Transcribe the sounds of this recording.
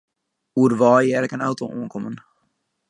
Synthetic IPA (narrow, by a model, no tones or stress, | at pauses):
uədʋɑːjɛːɾəkənawtoṵːənkɔmən